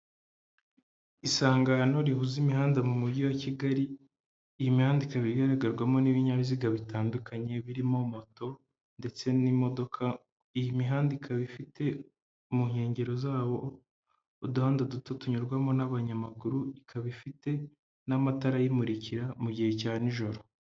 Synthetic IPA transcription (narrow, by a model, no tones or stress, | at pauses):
isaːŋɡano̞ɾihuzimihaːndamumuɟiwaciɡaɾiː | jimihaːndikaβiɡaɾaɡaɾɡwamo̞niβiɲaβiziɡaβitaːndukaɲe̞βiɾimo̞mo̞to̞ | nde̞t͡se̞nimo̞do̞kʰa | ijimiɦaːndikʰaβifite̞ | muŋhe̞ːɲɟe̞ɾo̞zaːβo̞ː | duhaːndadutotuɲuɾɡwamo̞naβaɲamaɡuɾuikʰaβifite̞ | namataɾajimuɾiciɾamuɟihe̞caːniʒo̞ɾo̞